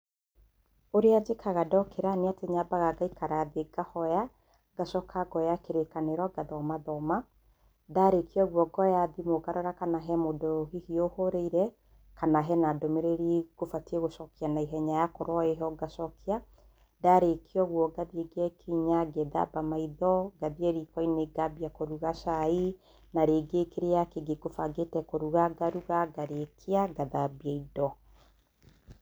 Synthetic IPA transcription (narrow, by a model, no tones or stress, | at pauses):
oɾead͡ʒekʰaɣadɔkʰeɾaneateɲabaɣaɡaikaɾaðeɡahɔja | ɡasɔkʰaɡɔjakeɾekaneɾɔɡaðɔmaðɔma | daɾekʰiɔɣwɔɡɔjaðimoɡaɾɔɾakanaɦɛmodohihiohoɾeiɾɛ | kanaɦɛnadomeɾeɾiɡ̥ofatieɣosɔkianaiɦɛɲajakoɾɔeɦɔɡasɔkia | daɾekʰiɔɣwɔɡaðieɡɛkiɲaɡɛða̰bamaiðɔɡaðieɾikɔineɡabiakoɾuɣasai | naɾeɡekeɾejakeɡeɡofaɡetɛkoɾuɣaɡaɾuɣaɡaɾekʰiaɡaðabiaidɔ